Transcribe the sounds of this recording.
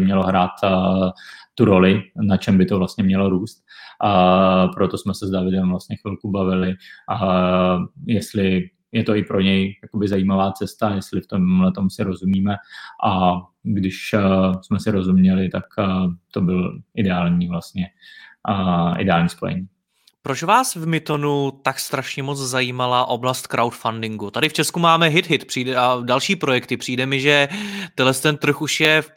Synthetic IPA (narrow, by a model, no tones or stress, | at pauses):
mɲɛlo̞ɦɾaːt̪ | uɾo̞lɪnat͡ʃɛmbɪt̪ovlast̪ɲɛmɲɛlo̞ɾuːst̪ː | pɾo̞t̪o̞smɛsɛzdavɪdɛmvlast̪ɲɛxvɪlkubavɪlɪ | jɛst̪lɪ | jɛt̪o̞ɪpɾo̞ɲɛjjako̞bɪzaiːmavaːt͡sɛst̪ajɛst̪lɪft̪omlɛt̪o̞msɪɾo̞zumiːmɛʔaɡdɪʃsmɛsɪɾo̞zumɲɛlɪt̪akːt̪o̞bɪlʔɪdɛaːlɲiːvlast̪ɲɛ | ʔɪ̰dɛaːlɲiːspo̞̰jɛ̰ɲiː | pɾo̞t͡ʃvaːsvmɪt̪o̞nut̪akst̪ɾaʃɲɛmo̞t͡szajiːmalaʔo̞blast̪̚kɾʔawt̪fandɪŋɡut̪adɪft͡ʃɛskumaːmɛɦɪt̪ɦɪt̪pr̝̥iːdɛʔadalʃiːpɾo̞jɛkt̪ɪpr̝̥iːdɛmɪʒɛt̪ɛdlɛst̪ɛnt̪r̩xuʃjɛ